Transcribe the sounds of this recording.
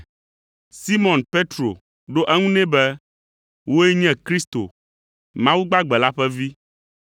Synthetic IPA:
si˦mɔ̃˨npe˦t̪ɾo̰˨ | ɖo˦ʔɛ˦ŋũ˦nɛ̃˦bɛ˦ | wo˦ɛ˦ɲɛ̃˦kɾi˦st̪o̰˨ | mã˦wu˦ɡ͡ba˦ɡ͡bɛ˨la˦ɸɛ˦vi˦

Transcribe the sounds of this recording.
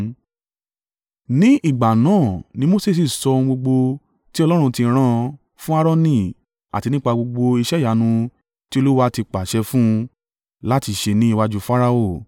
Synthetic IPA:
nĩ˦ʔi˦˨ɡ͡ba˨nãː˦˨nĩ˦mo˦se˦˨s̬i˨sɔ˧ũ˧ɡ͡bo˧ɡ͡bo˧ | ti˦ɔ˧lɔ˦ɾ̃ũ˧ti˧ɾ̃ã˧ | fũ˦a˦˧ɾɔ˦nĩ˦˨ | a̰˨ti˨˧nĩ˦k͡pa˧ɡ͡bo˧ɡ͡bo˧i˧ʃɛ˦˨ja˨˦nũ˧ | ti˦o˦˧lu˦wa˦ti˧k͡pa˨ʃɛ˧fũ˦˧ | la˦ti˧ʃe˧nĩ˦i˦˧wa˦d͡ʒu˧fa˦ɾa˧o˦˨

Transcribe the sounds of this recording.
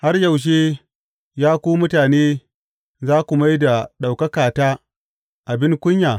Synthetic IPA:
ha˦rja˨wʃ̬eː˦ | jaː˦kʷuː˦mʊ˦taː˨neː˦ | zaː˦kʷu˨ma˦jda˨ɗa˨wkɐ˦kaː˨taː˦ | ʔa˨bɪ˦ŋkʷʊ˦ɲjaː˨

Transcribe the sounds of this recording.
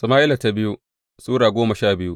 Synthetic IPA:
sɐ˨ma˦ʔɪ˦la˨ta˨˦bɪ˦ju˦ | suː˦ɽaː˨ɡʷoː˦mɐ˨ʃaː˦˨bɪ˦ju˦ʔ

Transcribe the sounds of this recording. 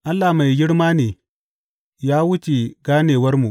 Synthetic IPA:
ʔa˦lːa˨ma˨jɡʲɪ˦ɽmaː˦neː˨ | jaː˦wʊ˦t͡ʃe˨ɡaː˦neː˨wɐ˦rmu˨

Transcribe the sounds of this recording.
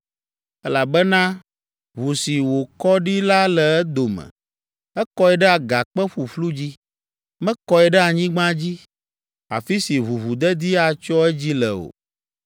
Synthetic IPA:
ɛ˦la˨bɛ˦nã˦ | βu˨si˨wo˨kɔ˦ɖi˦la˦lɛ˨ɛ˦d̪o˨mɛ̰̃˨ | ɛ˦kɔ˦ɛ˨ɖɛ˦a˨ɡa˨k͡pɛ˦ɸu˨flu˦d͡ʑi˦ | mɛ̃˦kɔ˦ɛ˨ɖɛ˦a˨ɲĩ˦ɡ͡bã˦d͡ʑi˦ | a̰˨fi˦si˨βu˨βu˨d̪ɛ˦d̪i˦a˨t͡ʃɔ˦ɛ˦d͡ʑi˦lɛ̰˨o̰˨

